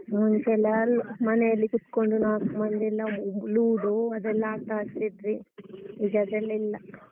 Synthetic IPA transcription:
muɲt͡ʃelɐlmɐnejɐlːikuʈ̪koɳɖunaːkumɐnd̪ilːɐluːɖuɐd̪ɛlːɐaːʈ̪aːst̪id̪ɾiid͡ʒɐd̪elːɐilːɐ

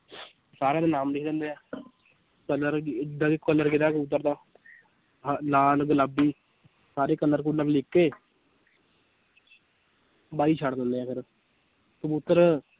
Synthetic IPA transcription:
saːɾẽːd̪aːnaːmɾɪkd̪ẽːnd̪eːaː | kələɾɪɪd̪ãːkɪkːəlːəɾkɪd̪aːkʊt̪ːəɾd̪aː | laːlɡələbiː | saːɾeːkəlːəɾk̬ʊlːəɾlɪkːeː | baːiːt͡ʃʰaːɽd̪ə̃nd̪eːaːkəɾ | səbut̪ːəɾ

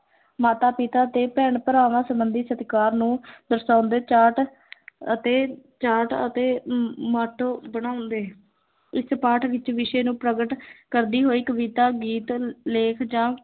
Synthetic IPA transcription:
maːt̪aːpɪt̪aːt̪eːpɛːɳpəɾaːʋãːsəbənd̪iːsət̪kaːɾnũːd̪əɾsãːnd̪eːt͡ʃaːʈ | ət̪eːt͡ʃaːʈət̪eːmaːʈʰoːbəɽ̃aːʊnd̪eː | ɪspaːʈʰʋɪt͡ʃʋɪʃeːnũːpɾəɡəʈkəɾd̪iːɦoːiːkəbiːt̪aːɡiːt̪leːkʰd͡ʒãː

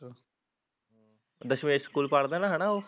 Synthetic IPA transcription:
d̪əɕmeskuːlpaɽd̪anaɦanaɦo

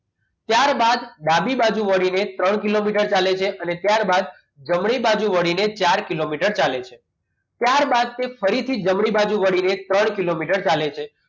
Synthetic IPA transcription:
t̪jaɾbad̪ɖ̪abibad͡ʒuʋəɽinet̪ɾəɳkilomiʈəɾt͡ʃalet͡ʃʰeʔənet̪jaɾbad̪̚ | d͡ʒəmɽ̃ibad͡ʒuʋəɽinet͡ʃaɾkilomiʈəɾt͡ʃalet͡ʃʰe | t̪jaɾbad̪̚t̪efəɾit̪ʰid͡ʒəmɽibad͡ʒuʋəɽinet̪ɾəɳkilomiʈəɾt͡ʃalet͡ʃʰe

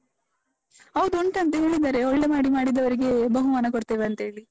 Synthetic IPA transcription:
ɐʋd̪uuɳʈɐnt̪̬ɐɦe̞ːɭid̪aːɾe̞ɔɭːe̞maːɽimaːɽid̪ɐʋɐɾiɡe̞bɐɦumaːnɐkoɽt̪eːʋeɐnt̪ɐɦe̞ːɭi

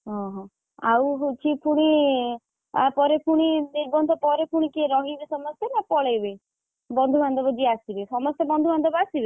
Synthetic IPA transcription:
ɦɔ̃ɦɔ̃ | a̰wɦut͡ʃʰipuɽ̃i | apɔɾepuɽ̃id̪eɾbɔnd̪ʰʱɔpɔɾepʰuɽ̃ikiɾɔɦibisɔmɔsjɔnapɔɭajbe | bɔnd̪ʱubʱand̪ʱɔbɔd͡ʒiasibesɔmɔst̪ebɔnd̪ʱubʱand̪ɔbɔasibe

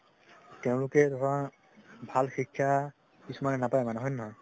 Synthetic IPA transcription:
tɛʊ̃lʊkɛdɔtã | bʱalxikʰːja | kisumanɛnapaɛmanɛɦɔjnːɔɦɔ

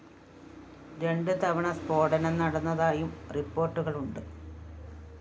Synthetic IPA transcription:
ɾe̞ɳɖɨt̪ɐʋɐɳɐspo̞ːɖɐnɐnɐɽɐnːɐðaːjumripːo̞ːrʈːuɣɐɭuɳɖɨ

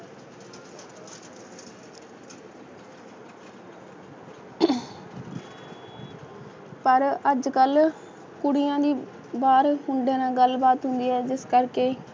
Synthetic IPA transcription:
pəɾəd͡ʒkəl | kʊɽɪjãːd̪iː | baːɾɦʊɳɖeːnãːɡəlbaːt̪ɦʊ̃nd̪iːɦɛːd͡ʒɪskəɾkeː

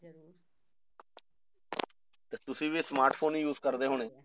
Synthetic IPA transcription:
t̪eːt̪ʊsĩːʋiːsmaːɾʈpʰoːnijuːzkəɾd̪eːɦoːɽeː

